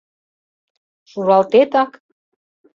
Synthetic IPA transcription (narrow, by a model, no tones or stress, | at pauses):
ʃuɾɑlt̪et̪ɑk